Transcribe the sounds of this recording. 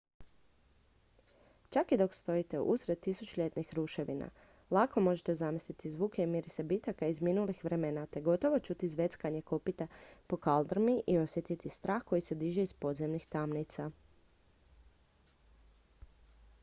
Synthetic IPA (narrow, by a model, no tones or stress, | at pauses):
t͡ʃakid̪o̞kst̪o̞it̪e̞ʔṵsɾed̪̚t̪ːisut͡ʃuʎe̞t̪nixɾuʃe̞ʋḭna̰ | lˠako̞mo̞ʒet̪e̞zamislit̪izʋuːkeimiɾisebit̪akaizminulixʋɾemenat̪e̞ɡo̞t̪o̞ʋot͡ʃut̪izʋe̞t̪skaɲe̞kopit̪apo̞kald̪ɾmiʔio̞sjet̪it̪ist̪ɾʔaːxko̞jise̞d̪iʒeispo̞d̪zemnixt̪amnit̪sa